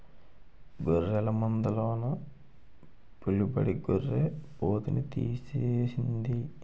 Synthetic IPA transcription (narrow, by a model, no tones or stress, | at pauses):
ɡoɾːɛlɐmɐnd̪ɐloːnɐ | pulupɐ̰ɽiɡorːeboːt̪unit̪ḭːseːsind̪i